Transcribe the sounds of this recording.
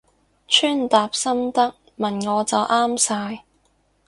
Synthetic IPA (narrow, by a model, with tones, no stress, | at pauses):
t͡ʃʰyː˥nt̪aː˨p̚sɐ˥mt̪ɐ˥k̚ | mɐ˨nŋɔː˨˧t͡sɐ˨wʔaː˥msaː˧j